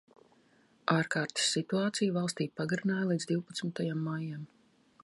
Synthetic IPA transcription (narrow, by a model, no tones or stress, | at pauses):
aːɾkaːɾt̪i̥sːit̪uaːt̪sijvalˠst̪iːpaɡaɾinaːjlˠiːd̪zd̪ʲiwpat̪smɪt̪ajamːajam